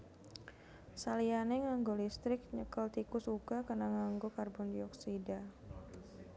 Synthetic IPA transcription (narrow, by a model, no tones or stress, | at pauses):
salianɛŋaŋɡolist̪ɾɪk̚ɲəkəlt̪ikʊsuɡakarnaŋaŋɡokarbɔndiɔksida